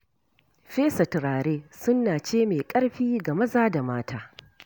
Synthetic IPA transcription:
ɸeː˦sɐ˨tɾaː˨ɽeː˦sʊ˦nːaː˨t͡ʃeː˦meː˨kʼɐ˦ɽɸiː˦ɡa˨mɐ˦zaː˦da˨maː˦tʰaː˦

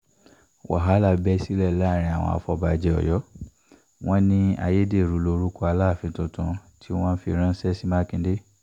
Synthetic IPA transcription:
wa̰˨ɦa˨˦la˧˨bɛ˦si˦lɛ˦˨la˦˨ɾ̃ĩ˧a˨w̃ɔ̰̃˧a̰˧˨fɔ˧ba˧d͡ʒɛ˧ɔ̰˨jɔ˨˦ | w̃ɔ̃˦nĩ˦a˧je˦de˦˨ɾu˨˧˦lo˧ɾu˦kɔ˦a˧la˦˨fĩ˧tũ˧tũ˧tʰi˦w̃ɔ̃˦n̩˦fi˧ɾ̃ã˦n̩˦sɛ˦si˦ma˦kĩ˧˦de˦

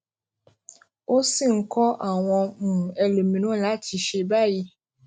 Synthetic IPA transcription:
o˦si˦˨ŋ̩˨kʰɔ˦ʔa˨w̃ɔ̃˧nũ˨ɛ˨lo˨mĩ˨nũ˦la˨˦tʰi˨ʃe˨ba˦˨ji˦

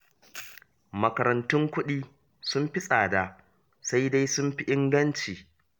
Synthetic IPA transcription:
mɐ˨kɐ˨ɾɐ˨ntʊ˦ŋkʷʊ˦ɗiː˦ | sʊ˦mɸɪ˦sʼaː˨da˨ | sa˦jda˦jsʊ˦mɸi˦ʔɪ˦ŋɡɐ˦nt͡ʃiː˨

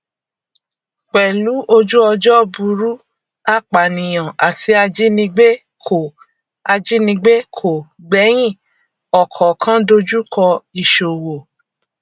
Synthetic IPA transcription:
k͡pɛ˨lu˨˦ʔo˧d͡ʒu˦ɔ˧d͡ʒɔ˦bu˧ɾu˦ | a˦˨k͡pa˨nĩ˨j̃ã˨ʔa˨tʰi˨˦a˧d͡ʒi˦nĩ˧ɡ͡be˦ | kʰo˨ | a˧d͡ʒi˦nĩ˧ɡ͡be˦kʰo˨ɡ͡bɛ˨˦j̃ĩ˦˨ | ɔ˨kʰɔ˨kʰã˦do˧d͡ʒu˦kʰɔ˧i˨ʃo˨wo˨

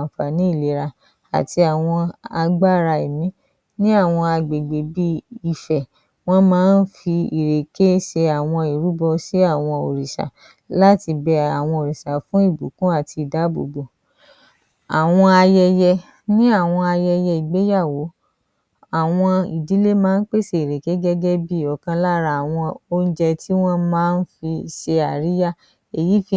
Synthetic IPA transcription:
fa˨nĩ˨˦i˦˨le˨˦ɾa˧ | a̰˨ti˧a˨w̃ɔ̃˧a˧ɡ͡ba˦˨ɾa˧e˨mĩ˦ | nĩ˦a˦˨w̃ɔ̃˧a˧ɡ͡be˨ɡ͡be˨bi˦i˨fɛ˨ | w̃ɔ̃˦mãː˦n̩˦fi˧i˨ɾe˨ke˦ʃe˧a˨w̃ɔ̃˧i˨ɾu˨˦bɔ˧si˦a˦˨w̃ɔ̃˧o̰˨ɾi˨ʃa̰˨ | la˦ti˧bɛ˧˦a˨w̃ɔ̃˧o˨ɾi˨ʃa˨fũ˦i˦˨bu˨˦kũ˦a˦˨ti˧i˨da˨˦bo̰˨˧˨bo˧ | a˨w̃ɔ̃˧a˧jɛ˧jɛ˧ | nĩ˦a˦˨w̃ɔ̃˧a˧jɛ˧jɛ˧i˨ɡ͡be˨˦ja˦˨wo˨˦ | a˦˨w̃ɔ̃˧i˨di˨˦le˦mãː˦n̩˦k͡pe˦˨se˧i˨ɾe˨ke˦ɡɛ˦ɡɛ˦bi˦˨ɔ˨kã˧la˦ɾa˧˨a˨w̃ɔ̃˧o˦n̩˦d͡ʒɛ˧ti˦w̃ɔ̃˦mãː˦n̩˦fi˧ʃe˧a˨ɾi˨˦ja˦˨ | e˨ji˨˦fi˧

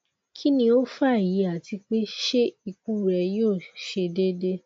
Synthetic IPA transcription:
kʰi˦nĩ˧o˦fa˦˨ji˨˦a˨ti˧k͡pe˦ʃe˦i˨ku˦˨ɾɛ˧jo˦˨ʃe˧de˦de˦

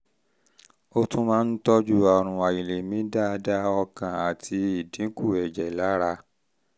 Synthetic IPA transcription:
o˦tũ˦mãː˦˧n̩˦tɔ˦d͡ʒu˦ɔ˧ɾ̃ũ˧a˨ji˨le˨mĩ˨˦da˦˧da˦ɔ˧kã˨a˨tʰi˧i˦˨dĩ˨˦ku˦˨ɛ˨d͡ʒɛ˨la˨˦ɾa˧

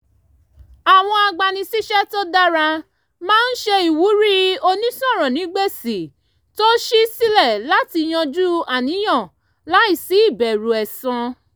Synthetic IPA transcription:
a˨w̃ɔ̃˧a˧ɡ͡ba˨nĩ˧si˦ʃɛ˦to˦da˦ɾa˧ | mãː˦n̩˦ʃe˧i˨wu˨˦ɾi˦o˧nĩ˦sɔ̃˦˨ɾɔ̃˨nĩ˨˦ɡ͡be˦˨si˨ | to˦ʃi˦si˦lɛ˦˨la˨˦ti˧j̃ɔ̃˧d͡ʒu˦a˨nĩ˨˦j̃ã˦˨ | la˨˦i˦˨si˨˦i˦˨bɛ˨ɾu˨ɛ˨sã˧

